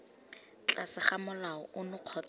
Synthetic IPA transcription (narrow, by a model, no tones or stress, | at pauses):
t͡ɬʼasɪχamʊlaɔʊnʊq͡χʰɔt͡s